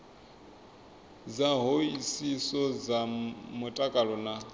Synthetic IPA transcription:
d͡zaɦoisisɔd͡zamutʼakʼaɺɔna

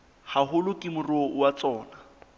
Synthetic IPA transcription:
haɦʊlʊkʼɪmʊrowat͡sʼɔːna

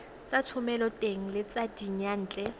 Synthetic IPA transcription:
t͡sʼatʰʊmɛlɔtʼeŋ̩lɪt͡sadiɲan̩ːt͡ɬʼɛ

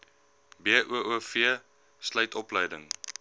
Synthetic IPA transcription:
biəʔuəʔuəfiə | sləjtʰɔpləjdəŋ

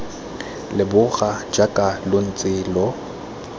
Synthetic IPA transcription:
lɪbʊɣad͡ʒakʼalon̩t͡sʼɪːlɔ

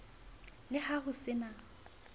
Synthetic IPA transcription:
lɪhahʊsɪna

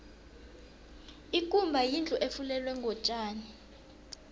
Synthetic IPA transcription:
ikʼumbʱajind͡ɮʱʼɔʔefulɛlwɛŋɡʱɔt͡ʃʼaːni

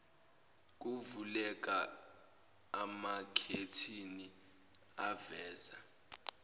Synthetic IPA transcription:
k̬ʼuvulɛk̬ʼa | makʰetʰini | avɛːza

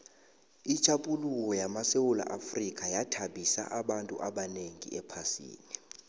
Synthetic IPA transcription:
it͡ʃʼaɓʼulukɔjamasewula̰ʔafrikʼajatʰaɓisa̰ʔaɓantʼṵʔaɓaneŋḭɛpʰasḭːni

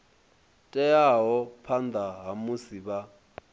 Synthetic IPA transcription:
tʼɛjaɦɔpʰand̪aɦamusiɓa

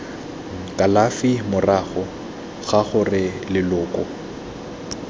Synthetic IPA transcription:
kʼalafɪmʊraχɔ | ɣaχʊrɪlɪlʊːkʼɔ

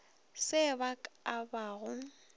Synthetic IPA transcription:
sɪbakʼabaːɣʊ

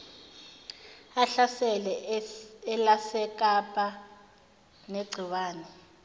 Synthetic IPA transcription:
aɬasɛlɛ | ɛlasɛk̬ʼapʼa | neɡ͡ǀʱiwaːnɛ

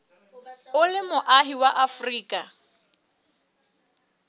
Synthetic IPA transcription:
ʊlɪmʊʔaɦiwaʔafriːkʼa

